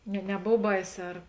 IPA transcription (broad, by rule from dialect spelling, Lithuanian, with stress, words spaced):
nʲɛ nʲɛˈboːw ˈbɐɪˌsʲɛː ɐr